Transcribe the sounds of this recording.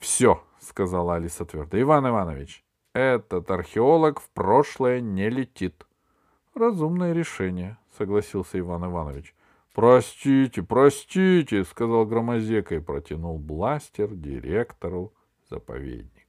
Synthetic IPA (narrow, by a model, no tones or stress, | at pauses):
fsʲo | skɐzalˠɐlʲisɐt̪vʲe̞rd̪əɪvanɪvanəvʲɪ̰t͡ɕ | ɛt̪ət̪ɐrxʲɪo̞lˠəkfproʂlˠəjənʲɪlʲɪtʲit̪ | rɐzumnəjəɾʲɪʂɛnʲɪjəsəɡlˠɐsʲilˠsʲəɪvanɪvanəvʲɪt͡ɕ | pɾɐsʲtʲitʲɪpɾɐsʲtʲitʲɪskɐzalˠɡɾəmɐzʲekəipɾətʲɪnulˠblˠasʲtʲɪrdʲɪ̰ɾʲekt̪əɾʊ | z̥ə̰pɐ̰vʲḛd̪ʲnʲɪk